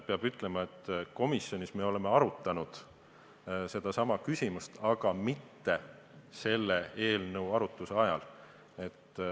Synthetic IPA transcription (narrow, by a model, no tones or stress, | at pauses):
peɑbyt̪ːˑle̞mɑe̞t̪ːˑko̞misjo̞nisme̞o̞le̞me̞ɑɾut̪ːˑɑnud̪̥ | se̞d̪̥ɑsɑmɑkysʲimust̪ɑɡ̥ɑmit̪ːe̞ | se̞lːe̞e̞ːlnɤwɑɾut̪ːˑuse̞ɑjɑ̰l | e̞t̪ː